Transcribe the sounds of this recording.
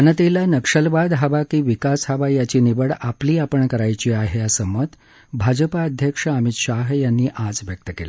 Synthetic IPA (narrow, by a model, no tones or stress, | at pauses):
ənət̪ilanəkʂəlʋad̪ɦaʋakiːʋikasɦaʋajat͡ɕiːniʋəɽapliːapəɳkəɾajt͡ɕiːaɦejasəmːət̪ | bʱad͡ʑəpaəd̪ʱjəkʂəəmit̪ɕaɦjanːiːʔad͡zʋjək̚t̪əkela